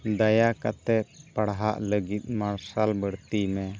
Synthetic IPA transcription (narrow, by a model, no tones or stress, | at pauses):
d̪ajakat̪ɛpaɽɦaʔləɡit̪̚ˀmaɽsalbəɽt̪imɛ